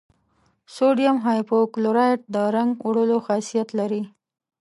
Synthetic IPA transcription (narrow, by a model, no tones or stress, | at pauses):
soɖijamɦɑjpokloɾɑʈ̚d̪əɾaŋɡwaɽəloxɑsijat̪laɾi